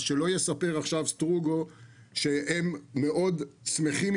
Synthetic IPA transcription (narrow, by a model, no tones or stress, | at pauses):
ʃelo̞jesape̞ʁaχʃavst̪ʁuɡo̞ | ʃeemːe̞ʔo̞dsme̞χim